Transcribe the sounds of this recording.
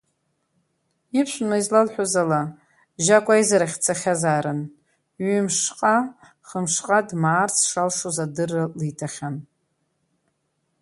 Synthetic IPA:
ipʰʃʷᶣnaizlalħʷᶣozala | ʒakʷʼaizaɾaχʲt͡sʰaχʲazaːɾɨn | ɥimʂqʼa | χəmʂqʼadmaːrt͡sʰʂalʂozadɨralitʰaχʲan

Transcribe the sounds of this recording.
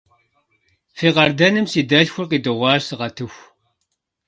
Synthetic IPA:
fiːqɐrdɐnɨmsiːdɐɮxʷʊrqiːdɨʁʷɑːrsɨʁɐtʰɨxʷ

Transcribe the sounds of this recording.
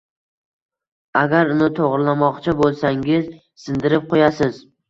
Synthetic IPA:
aɡʲaɾʊnɪt̪ʰoʁɾɪlamɒqt͡ʃʰɪbolˠsaŋɪz | sɪnd̪ɪɾɪp̚qʰojasɪz

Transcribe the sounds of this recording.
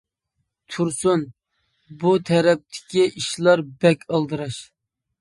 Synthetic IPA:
t̪ʰuɾsun | but̪ʰɛɾɛp̚t̪ʰɪ̥kʲiʔiʃlˠɑɾbɛkʲʰɑlˠd̪ɨɾɑʃ

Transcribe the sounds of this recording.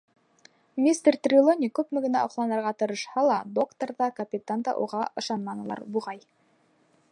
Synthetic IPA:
mʲist̪ert̪rʲɪlˠonʲikʉpmɘ̆ɡɘ̆næɒqlˠɑnɤ̆ɾʁɑt̪ɤ̆ɾɤ̆ʃhɑlˠɑd̪o̞kt̪oɾðɑkɐpʲɪt̪and̪ɑ̰ʔṵʁɑʔɤ̆ʃɑnmɑnɤ̆lˠɑ̰ɾbuʁɑj

